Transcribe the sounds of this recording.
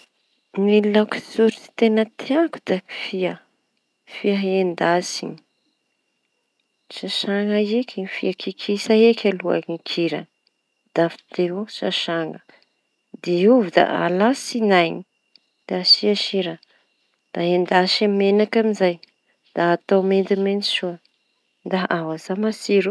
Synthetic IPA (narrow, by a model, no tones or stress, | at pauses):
nillaki̥suɾiti̥t̪enət̪ʰiaku̥d̪̥aifiə | fiaɦend̪asiɲ | ʃaʃaŋaekiifiakʰikʰisaekʲalua̰niŋkʰiɾə | d̪̥afi̥t̪eɦoʃaʃaŋə | d̪iuvud̪a̰ʔa̰lasinajɲi | d̪̥asiaʃiɾa | d̪̥aend̪aʃamenakamizaj | d̪̥aːt̪awmend̪imeniʃuə | d̪aʔawazamasiɾu